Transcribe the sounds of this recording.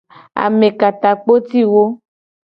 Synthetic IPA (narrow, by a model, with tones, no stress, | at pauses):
a̰˨mẽ˨ka˨t̪a˨k͡po˦t̪i˦wo˦